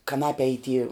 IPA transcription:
kɐˈnɑːpʲɛ iː tʲiː

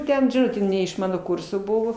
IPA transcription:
ˈtʲɛn ˈʒoːd͡ʒʲʊ nʲɛ ɪʃ ˈmɑːnoː ˈkʊrsoː ˈbʊʋoː

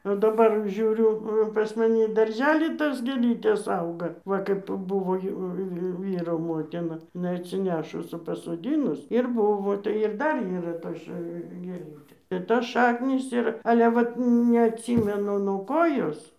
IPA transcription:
oː dɐˈbɐr ˈʒʲuːrʲʊ pɐs mɐˈnʲɪ ɪ dɐrʲˈʒʲæːlʲiː ˈtoːs ɡʲeːˈlʲiːtʲeːs ˈɐʊɡɐ ˈʋɐ kɐɪp ˈbʊʋoː ˈjɛʊ jɛʊ ˈʋʲiːroː ˈmoːtʲɪnɐ ɪˈnɐɪ ɐtʲsʲɪˈnʲæːʃʊs ɪ pɐsoːˈdʲiːnʊs ɪr ˈbʊʋoː tɐɪ ɪr ˈdɐr iːˈrɐ ˈtoːs ʃɐ ɡʲeːˈlʲiːtʲeː ɪr toːs ˈʃɑːknʲiːs ˈɪr ɐlʲɛ ˈʋɐt nʲɛɐtʲˈsʲiːmʲɛnʊ nuɔ ˈkoː ˈjoːs

